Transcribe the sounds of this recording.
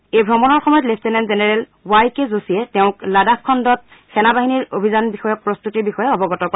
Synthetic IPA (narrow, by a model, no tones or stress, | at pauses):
ejbʱɹɔmɔnɔɹxɔmɔjɔtlep̚ʰtenɛnzenɛɹɛl | wajkezosijɛtɛʊ̃kladapkʰːɔndɔt̚ | xɛnabaɦiniɹobʱizanbixɔjɔk̚pɹost̪utiɹbixɔjɛɔbɔɡɔtɔkɔ